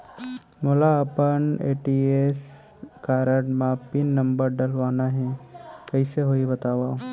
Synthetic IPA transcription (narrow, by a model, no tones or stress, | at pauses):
moːlaɐpəneːʈiːeːs | kaːɾəɽmaːpinːɐ̃mbəɾɖɐlʋaːnaɦɛ̃kɐiseɦoibɐt̪aːʋaː